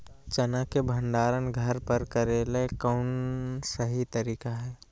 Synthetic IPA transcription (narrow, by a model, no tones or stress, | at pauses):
t͡ʃənakebʱənɖaːɾənɡʱəɾpəɾkəɾeːlekɔʊnsəɦit̪əɾiːkaɦɛː